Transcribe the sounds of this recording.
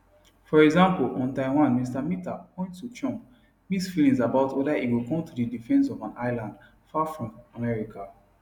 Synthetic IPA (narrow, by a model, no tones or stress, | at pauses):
fɔɹɛɡzãmpolɔ̃ntãɪ̃wãnmistamita̰pɔ̃ɪ̃nttut͡ʃɔ̃m | misfilĩŋsabaʊtwɛdaʔiwilkɔ̃mtudidifɛ̃nsɔvãnʔaɪlãnd | fafɹɔ̃mamɛɹikʰa